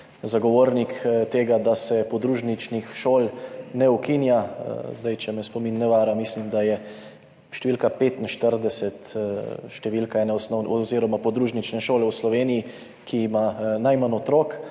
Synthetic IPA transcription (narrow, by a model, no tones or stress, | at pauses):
zaɡɔʋoːɾnikt̪eːɡad̪asɛpɔd̪ɾuːʒnit͡ʃnixʃoːlnɛukinja̰zd̪ajt͡ʃɛmɛspɔminːɛʋaːɾamislimd̪ajɛ | ʃt̪ɛʋiːlkapeːt̪inʃt̪əɾd̪ɛsɛt̪ʃt̪ɛʋilkaɛnɛɔsnɔwnɔziːɾɔmapɔd̪ɾuːʒnit͡ʃnɛʃoːlɛwslɔʋeːniji | kʰiːmanajmanɔt̪ɾoːk